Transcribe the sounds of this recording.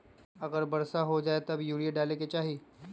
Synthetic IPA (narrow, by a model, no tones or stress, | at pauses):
ɐɡəɾbɐɾsaɦod͡ʒaːet̪ɐbjuːɾijaɖaːleket͡ʃaːɦi